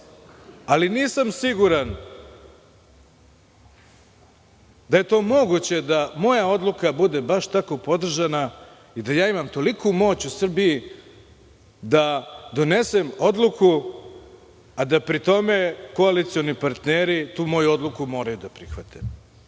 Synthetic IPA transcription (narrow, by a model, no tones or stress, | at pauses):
aliniːsamsiɡuɾan | d̪aje̞t̪o̞ːmo̞ɡut͡ɕe̞d̪amo̞jao̞d̪lˠukabud̪e̞baʃt̪ako̞po̞d̪r̩ʒana | id̪ajaːimamt̪o̞likʰumo̞ːt͡ɕusr̩biji | d̪ad̪o̞ne̞se̞mo̞d̪lukʰu | ad̪apɾit̪o̞me̞ko̞alit̪sijo̞nipaɾt̪neɾit̪uːmo̞juo̞d̪lukumo̞ːɾajud̪apɾixʋat̪ʰem